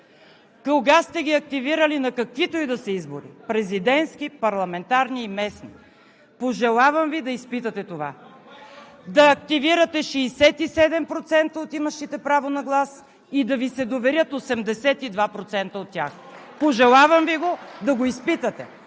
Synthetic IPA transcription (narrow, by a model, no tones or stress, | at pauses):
kolɡast̪ɛɡʲiɐk̚t̪iviɾəlinɐkɐkvit̪oid̪ɐsɐizboɾḭpɾɛzid̪ɛnskʲipɐɾlˠɐmɛnt̪aɾniːmɛsnḭ | poʒɛlˠavɐmvid̪ɐispit̪ət̪ɛt̪ova̰ | d̪ɐːk̚t̪iviɾət̪ɛʃɛːsɛt̪isɛd̪ɛmpɾot̪sɛnt̪əot̪imɐʃtit̪ɛpɾavonɐɡlˠas | id̪ɐvisɛd̪ovɛɾʲjət̪osɛmd̪ɛsɛt̪id̪vapɾot̪sɛnt̪əot̪ːʲja̰x | poʒɛlˠavɐmviɡod̪ɐɡoispit̪ət̪ɛ̰